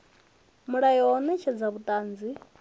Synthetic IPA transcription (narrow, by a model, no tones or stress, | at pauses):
muɺajiɔnɛt͡ʃʰɛd͡zaβutʼaːnd͡zi